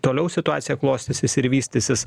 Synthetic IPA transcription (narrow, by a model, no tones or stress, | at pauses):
t̪oːlʲɛʊsʲɪt̪ʊaːt̪sʲɪjɛklˠoːsʲt̪ʲɪsʲɪsɪɾʋʲiːsʲt̪ʲɪsʲɪs